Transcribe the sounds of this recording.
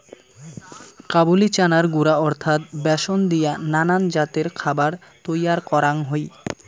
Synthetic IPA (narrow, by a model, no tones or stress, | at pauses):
kabulit͡ɕanaɾɡuɾaɔɾt̪ʰat̪̚bɛʃond̪ijananand͡ʑat̪eɾkʰabaɾt̪ojaɾkɔɾaŋɦoj